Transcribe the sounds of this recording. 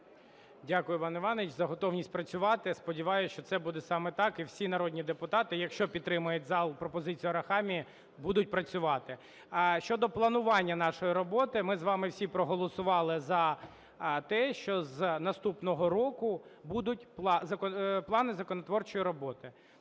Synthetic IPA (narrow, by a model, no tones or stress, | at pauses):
dʲakʊjʊpɑnɪʋɑnʲɪt͡ʃzɐɦɔt̪ɔwnʲisʲt̚ʲpɾɐt͡sʲʊʋɑt̪ɪspɔdʲiʋɑjʊʃt͡ʃɔt̪sɛbud̪ɛsɑmɛt̪ɑkiwsʲinɐɾɔdʲnʲid̪epʊt̪ɑt̪ɪjɐkʃt͡ʃɔpʲid̪ːɾɪmʊjʊtʲzɑlˠpɾɔpɔzɪt͡sʲijʊɾɐxɑmʲi | bud̪ʊt̚ʲpɾɐt͡sʲʊʋɑt̪ɪ | ʃt͡ʃɔd̪ɔplˠɐnʊʋɑnʲːɐnɑʃɔjiɾɔbɔt̪ɪmɪzʋɑmɪwsʲipɾɔɦɔlˠɔsʊʋɑlˠɪzɐ | t̪ɛʃt͡ʃɔznɐst̪upnɔɦɔɾɔkʊbud̪ʊtʲp̪ˠzɐkɔplˠɑnɪzɐkɔnɔt̪ʋɔrt͡ʃɔjiɾɔbɔt̪ɪ